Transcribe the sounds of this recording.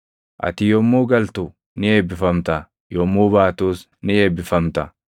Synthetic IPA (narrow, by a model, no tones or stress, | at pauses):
ʔɐ̰t̪ɪjɔmːuːɡɐlt̪ʊ | nɪeːbːɪfɐmt̪ɐ | jɔmːuːbaːt̪uːs | nɪeːbːɪfɐmt̪ɐ